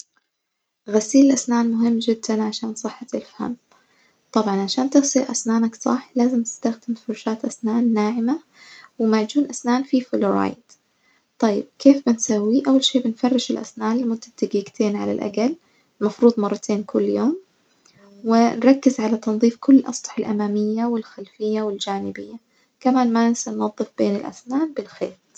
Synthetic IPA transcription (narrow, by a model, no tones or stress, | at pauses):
ɣasiːlɪlʔasnaːnmʊɦɪmːd͡ʒɪd̪ːanʕaʃaːnsˤɨħːɑt̪ɪlfha̰mː | t̪ˤɑbʕɑnʕaʃaːnt̪ɪɣsiʔa̰snaːnaksˤɑħlaːzɪmt̪ɪ̥st̪axd̪ɪmfʊɾˤʃaːt̪ʔasnaːnːaːʕɪma | wɪmaʕd͡ʒuːnʔasnaːnfifʊloɾɑ̰ːjd̪̥ | t̪ˤɑjːɪ̰b̥̚keːfbɪnsawːiʔawːalʃeːbɪnfɑrˤːɪʃɪlʔa̰snaːnlɪmʊd̪ːat̪ːaɡiːɡt̪ʰeːnʕa̰la̰lʔa̰ɡal | lmɑfɾuːd̪ˤmɑrˤːɑt̪ʰeːnkʰʊlːjoːm | wɪnɾˤɑkːɪzʕalat̪ɑnðˤiːfkʰʊlːɪlʔɑsˤt̪ɑ̥ħɪlʔamaːmɪjːawɪlxalfɪjːawɪld͡ʒaːnɪbɪjːa | kamaːnmanɪsanːɑðˤːɨfb̥eːnɪlʔa̰snaːnbɪlxḛːt̪